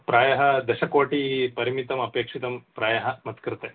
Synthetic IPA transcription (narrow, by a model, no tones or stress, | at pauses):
pɾaːjɐɦɐd̪ɐʃɐkoːʈipɐɾimit̪ɐmɐpeːkʂit̪ɐmpɾaːjɐɦɐmɐt̪kɾɨt̪e